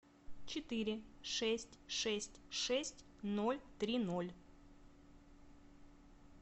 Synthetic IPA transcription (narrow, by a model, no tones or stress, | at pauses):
t͡ɕɪt̪ɨɾʲɪʂɛsʲtʲʂɛsʲtʲʂɛsʲtʲ | no̞lʲt̪ɾʲinolʲ